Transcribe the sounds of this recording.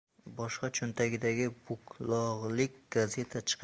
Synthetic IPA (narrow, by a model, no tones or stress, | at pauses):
bɒʃqɑt͡ʃʰʊnt̪ʰaɡʲɪd̪aɡʲɪbʊkʰlˠɒʁlˠɪkʲɡ̥aze̞t̪ʰat͡ʃʰɨ̥qʰ